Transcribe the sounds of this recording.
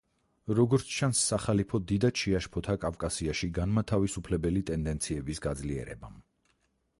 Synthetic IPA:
ɾɔɡɔɾt̪sʰt͡ʃʰansːaχalipʰɔd̪id̪at͡ʃʰiaʃpʰɔt̪ʰakʼafkʼasiaʃiɡanmat̪ʰavisupʰlɛbɛlit̪ʼɛnd̪ɛnt̪sʰiɛbisɡad̪zliɛ̰ɾɛ̰bam

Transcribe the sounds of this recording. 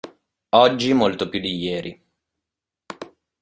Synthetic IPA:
ɔd͡ʒːimolt̪opjud̪ijɛːɾʔi

